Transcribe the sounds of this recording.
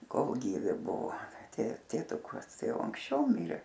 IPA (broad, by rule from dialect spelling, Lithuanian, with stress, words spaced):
ˈkoːlˠ ˈɡʲiːʋʲɪ ˈbʊʋoː tʲeː tʲeːˈtʊkɐs ˈtɐɪ ˈjɛʊ ɐŋksʲˈt͡ʃʲɛʊ ˈmʲɪrʲeː